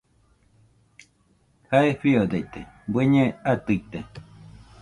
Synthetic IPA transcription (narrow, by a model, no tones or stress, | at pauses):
haeɸiod̪ejt̪ebeɲẽat̪ɨit̪e